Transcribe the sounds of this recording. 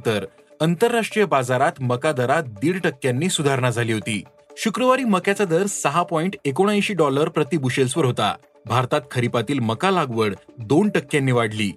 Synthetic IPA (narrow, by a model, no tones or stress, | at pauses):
t̪əɾ | ənt̪əɾːaʂʈɾijəbad͡zaɾat̪məkad̪əɾat̪̚d̪iːɽʈəkːjanːiːsud̪ʱaɾɳ̃ad͡zʱaliːɦot̪ḭː | ɕukɾəʋaɾiːməkjat͡sad̪əɾsəɦapɔiɳʈekoɽ̃aj̃ɕiːɖɔləɾpɾət̪ibuɕelsʋəɾɦot̪a̰ | bʱaɾt̪at̪̚kʰəɾipat̪iːlməkalaɡʋəɽd̪oɳʈəkːjanːiːʋaɽlḭː